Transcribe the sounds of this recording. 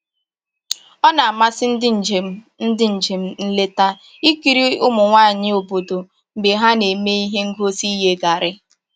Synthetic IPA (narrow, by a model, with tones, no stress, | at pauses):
ɔ˦na˨a˨ma˦sɪ˦n̩˦dɪ˦˨d͡ʒe˨m˦ | n̩˦dɪ˦n̩˨d͡ʒe˨m̩˦n̩˦le˦ta˦ | i˦ki˨ɾi˦ʊ˦mʊ˨ŋʷaː˦˨ɲɪ˦o˨bo˨do˨ | m̩˨be˨ɦa˦ne˨me˦i˦ɦe˦ŋ̩˦ɡo˦si˦ɦe˦ɡa˨ɾɪ˦